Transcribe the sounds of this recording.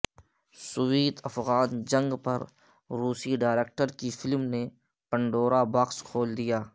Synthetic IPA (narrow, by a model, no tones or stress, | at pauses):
sʊwiːt̪ɐfɣaːnd͡ʒɐ̃ŋɡpɐɾ | ɾuːsiɖaːɪɾeːk̚ʈəɾkifɪlmne | pə̃ɳɖoːɾabɐkskʰoːld̪ijaː